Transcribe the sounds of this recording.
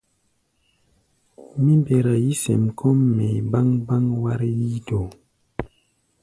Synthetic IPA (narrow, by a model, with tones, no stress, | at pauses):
mi˦mbe˨ɾa˨ji˦sɛ̰˨mkʰɔ˦mːe˨ba˦ŋba˦ŋwa˦ɾji˦do˨